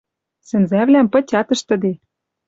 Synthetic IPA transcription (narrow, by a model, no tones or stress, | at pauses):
sɘ̆nzæβlæmpɤ̆t͡ɕʲɑt̪ɤ̆ʃt̪ə̆d̪e